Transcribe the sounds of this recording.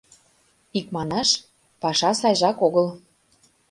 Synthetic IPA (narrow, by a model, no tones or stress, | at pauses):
ik̚mɑnɑʃ | pɑʃɑsɑjʒɑkoɣəl